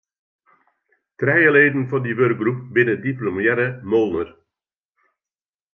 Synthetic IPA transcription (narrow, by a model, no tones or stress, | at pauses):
trɛjəleːdən̩fɔndiʋørk̚ɡrupbɪnədiplomjɛɾəmolˠnər